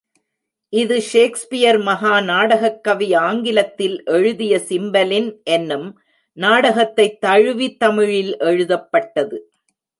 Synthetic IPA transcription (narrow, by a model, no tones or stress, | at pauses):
ʔɪðɯʂeːkspɪjɐɾmɐɦaːnaːɽɐɣɐkːɐʋɪaːŋɡɪlɐt̪ːɪlʔɛɻɯðɪjɐsɪmbɐlɪnʔɛnːɯm | naːɽɐɣɐt̪ːɐɪt̪ːɐɻɯʋit̪ːɐmɪɻɪlʔɛɻɯðɐpːɐʈːɐðɯ